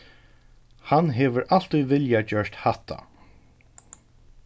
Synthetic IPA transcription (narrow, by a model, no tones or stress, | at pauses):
hanɦɛːʋəɾʔal̥t̪ujvɪljad͡ʒœɹt̪haht̪ʰa̰